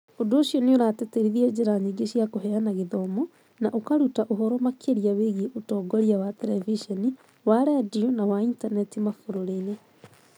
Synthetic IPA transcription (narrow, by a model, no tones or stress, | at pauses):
odoːɕjɔneoɾatɛtɛɾiðiɛd͡ʑeɾaɲiɡeɕiakoɦeanaɣeðɔmo | naʔokaɾutaʔoɦɔɾɔmakʰeɾiaweɣieʔotɔːɡɔɾiawatɛɾɛviʃɔni | waɾadionawaintanɛtimafoɾoɾene